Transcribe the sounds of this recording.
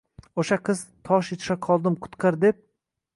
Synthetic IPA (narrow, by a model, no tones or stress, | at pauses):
oʃaqʰɨz̥t̪ʰɒʃjet̪ʰɪ̥ʃaqʰɒlˠd̪ɪmqʰʊ̥t̪qʰɑɾd̪ep̚